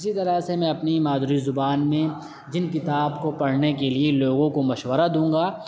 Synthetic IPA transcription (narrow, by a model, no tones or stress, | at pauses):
ɪsit̪ɐɾəsemɛ̃ɐpnimaːd̪ʊɾizʊbaːnmẽ | d͡ʒɪnkɪt̪aːbkopɐɽ̤nekelieloːɡõkomɐʃwəɾad̪ũːŋɡaː